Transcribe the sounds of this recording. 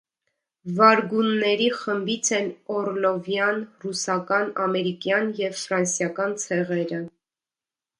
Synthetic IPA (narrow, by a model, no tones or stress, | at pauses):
vɑɾɡunːɛɾiχəmbit͡sʰɛnɔɾlɔvjɑnrusɑkɑnɑmɛɾikjɑnjɛvfɾɑnsjɑkɑnt͡sʰɛʁɛɾə